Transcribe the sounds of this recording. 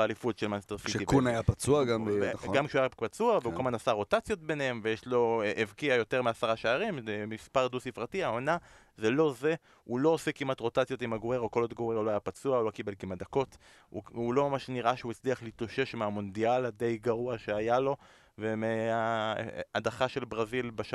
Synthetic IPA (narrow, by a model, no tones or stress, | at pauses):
alifutʃelmanst̪eʁfiʃivknajapat͡suaɡamveɡamkʃuajapat͡suavkeukamanasaʁo̞tat͡sjo̞t̚be̞nehemvejeʃlo̞ʔevkiajo̞te̞ʁmeasaʁaʃeaʁimemispaʁd̪usifʁatiao̞na | zelo̞ze̞ | ulo̞osekimatʁo̞tat͡sjo̞timaɡoeʁoko̞lod̪ɡoeʁuloajapat͡suaolo̞kibe̞lkimat̚d̪ako̞t | ṵulo̞mamaʃniʁʔaʃeuit͡sliaχlitoʃe̞ʃmeamo̞nd̪ialad̪e̞jɡaʁuaʃeajalo̞ | vemea | adaχaʃe̞lbʁazilbaʃ